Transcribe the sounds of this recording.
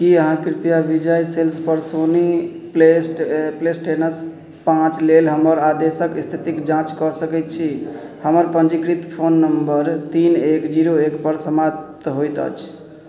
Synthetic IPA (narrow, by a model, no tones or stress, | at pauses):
kiəɦãkɾpijabid͡ʒajselspəɾsoni | plesʈplesʈenəs | pãt͡ʃlelɦəməɾad̪esəkist̪ʰit̪ikd͡ʒãt͡ʃkɔsəkɛt̪̚t͡ʃʰihəməɾpənd͡ʒikɾit̪pʰonːəmbəɾt̪inekd͡ʒiɾoekpəɾsəmap̚t̪ɦojt̪ə̰t͡ʃʰ